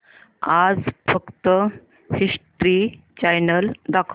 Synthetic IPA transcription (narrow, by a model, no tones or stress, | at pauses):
ad͡zfəkt̪ə | siʂʈɾi | t͡ɕajnəld̪akʰ